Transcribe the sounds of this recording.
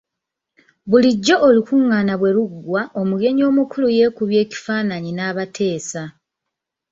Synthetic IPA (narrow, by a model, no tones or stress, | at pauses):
βuliɟːo̞ʔːlikuŋːaːnaβwe̞ɾuɡwao̞muɡe̞ɲo̞ːmukuluje̞ːkuβje̞ːci̥faːnaɲinaːβatʰe̞ːsa